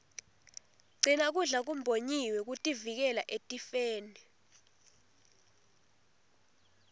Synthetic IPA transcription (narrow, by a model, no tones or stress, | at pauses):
ɡ͡ǀʱinak̬uɮak̬um̩bʱoɲiwɛk̬utʼivik̬ɛla̰ʔetʼifeːni